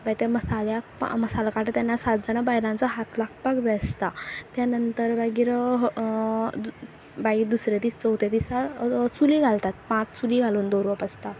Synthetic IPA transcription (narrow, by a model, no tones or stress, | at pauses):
bajt̪eməsaljakməsalkaʈʰət̪janːasat̪̚d͡zəɽ̃abajlãnt͡sɔɦat̪laɡpakd͡zast̪at̪janənt̪əɾbaɡiːɾ | baɡiːɾd̪usɾjad̪iːst͡səwt̪jat̪isat͡suliɡʱalt̪at̪̚pãt͡st͡suliɡʱaluːnd̪oɾʋapast̪a